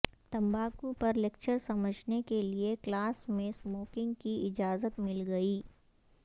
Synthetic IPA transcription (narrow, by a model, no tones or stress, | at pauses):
t̪ɐ̃mbaːkũpɐɾlekt͡ʃəɾsɐməd͡ʒʱnekelieklaːsmẽsmoːkɪ̃ŋɡkiɪd͡ʒaːzət̪mɪlɡɐiː